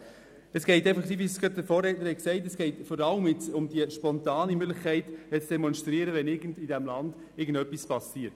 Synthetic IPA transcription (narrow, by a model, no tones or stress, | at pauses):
əsɡ̥ɛɪtɛɪfɑχsiːvisɡ̥ɑt̚dəfoːrɛːtnəɾhɛksɛɪtɛsɡ̥ɛɪtfɔɾɑləmɪt͡sʊmd̥iəʃpɔntɑːnimʏɡlɪχkʰɛɪtɛt͡sd̥ɛmɔnʃtɾiəɾəʋɛnɪɡən̩didæmlɑnd̥ | ɪːɡən̩dœpːispɑsiːət